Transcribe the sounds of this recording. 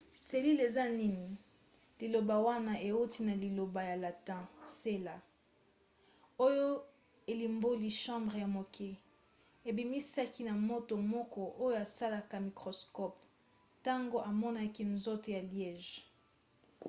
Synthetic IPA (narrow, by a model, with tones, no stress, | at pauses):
se˨li˦le˨za˦ni˦ni˨ | li˨lo˨ba˨wa˦na˦ʔe˨u˦ti˦na˨li˨lo˨ba˨ja˨la˨tɛ̃˦se˦la˨ | o˦jo˦ | e˨li˨mbo˦li˨ʃɑ̃˦mbʁe˨ja˨mo˨kʰe˦ | e˨bi˨mi˦sa˦ki˦na˨mo˦to˨mɔ˦kɔ˦ʔo˦jo˦a˨sa˦la˦ka˨mi˨kʁo˨skɔ˦p | ta˦ŋɡo˦ʔa˨mɔ˦na˦ki˦nzo˦to˨ja˨ljɛ˨ʒ